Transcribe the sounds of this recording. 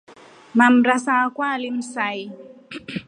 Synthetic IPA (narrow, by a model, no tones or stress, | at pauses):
mam̩ɾasaːkwalim̩sai